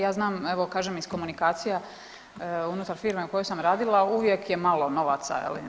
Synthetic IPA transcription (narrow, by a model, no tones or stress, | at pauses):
jaːznaːmeʋo̞kaːʒemisko̞munikaːt̪sija | unut̪aɾfiːɾmeuko̞jojsamɾaːd̪ilˠauʋjekje̞malˠo̞no̞ʋaːt̪sa̰ḛlḭ